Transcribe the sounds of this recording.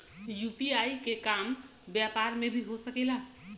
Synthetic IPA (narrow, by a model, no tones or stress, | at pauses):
juːpiaːikekaːm | bjaːpaːɾmẽbʱiɦosəkeːlaː